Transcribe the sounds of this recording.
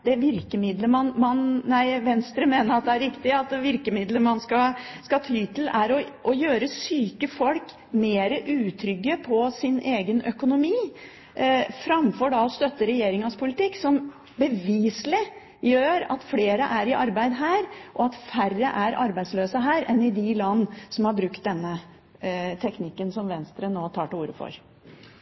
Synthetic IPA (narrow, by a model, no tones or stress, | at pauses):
d̪̥ɛʋɪɾkəmɪd̪ləmɑnmɑnnæɪʋɛnst̪ɾəmeːnəɾɑt̪̚d̪ɛæɾɾɪkt̪ɪɑt̪ʋɪɾkəmɪd̪ləmɑnskɑskɑt̪ʰyːt̪ʰɪl̩æɾɔʔɔjøːɾəsyːkəfɔlk | meːɾəʔʉːt̪ʰɾʏɡːəpʰɔsɪnʔeːɡənœkʊnʊmiː | fɾɑmfɔɖɑɔst̪œt̪ːəɾɛjeːɾɪŋɑspʰʊlɪt̪ɪksɔm | bəʋiːslɪ | jøːɾɑ̰t̪fleːɾəʔæɾɪʔɑɾbæɪd̪ɦæːɾʔɔɑt̪færəʔæɾʔɑ̰ɾbæɪd̪sløːsəɦæːɾɛnɪd̪ɪlɑnːsɔmhɑɾbɾʉkt̪̚d̪ɛnːə | t̪ʰɛknɪkːənsɔmʋɛnst̪ɾənoːt̪ʰɑːʈɪuːɾə̰fɔ̰ɾ